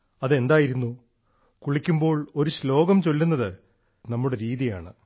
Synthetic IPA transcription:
ɐðe̞nd̪aːjiɾunːu | kuɭikʲːumbo̞ːɭo̞ɾuɕlo̞ːɡɐmt͡ɕo̞lːunːɐðɨ | nɐmːuɽe̞ɾiːðijaːɳɨ

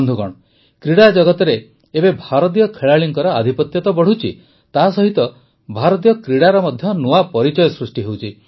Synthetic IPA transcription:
nd̪ʱuɡɔ̰ɽ̃ɔ | kɾiɽad͡ʒɔɡɔt̪ɔɾeː | bebʱaɾɔt̪ijɔkʰeɭaɭiŋkɔɾɔad̪ʱipɔt̪jɔt̪ɔbɔɽ̤ut͡ʃʰi | t̪asɔɦit̪ɔ | bʱaɾɔt̪̬ijɔkɾiɽaɾɔmɔd̪ʱjɔnuapɔɾit͡ʃɔjɔsɾusʈiɦewt͡ʃʰi

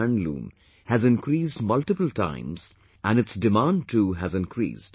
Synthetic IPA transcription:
nlṵ̃ːm | hæzɪ̃nkɾiːsdmʌlʈɨpəl̩tʰã̰ɪ̃mz̥ | ʔæ̃nɨtsdɪmãnɖ̚ʈʰuːɦæzɪ̃nkʰɾḭːsd̥

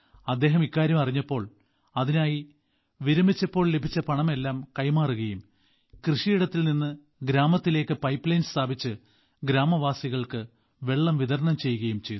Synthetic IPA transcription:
ɐd̪ːe̞ːɦɐmikːaːɾjɐmɐriɲːɐpːo̞ːɭ | ɐðinaːji | ʋiɾɐmit͡ɕːɐpːo̞ːɭlebʱit͡ɕːɐpɐɳɐme̞lːaːmkɐjmaːruɣɐjum | krɨʂijiɽɐt̪ːilninːɨ | ɡɾaːmɐt̪ːile̞ːkːɨpɐjpːlɐjnst̪ʰaːbʱit͡ɕːɨ | ɡɾaːmɐʋaːsiɣɐɭkɨ | ʋe̞ɭːɐmʋiðɐɾɳɐmt͡ɕe̞jːuɣɐjumt͡ɕe̞jd̪

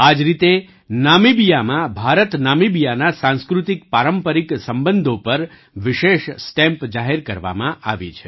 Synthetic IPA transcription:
ad͡ʒɾit̪e | namibijamãbʱaɾət̪namibijanasãnskɾut̪ik̚paɾəmpəɾiksəmbənd̪ʱopəɾ | ʋɪʃeʃsʈɛ̃mpd͡ʒaɦɛɾkəɾʋa̰mãʔaʋḭt͡ʃʰe̥

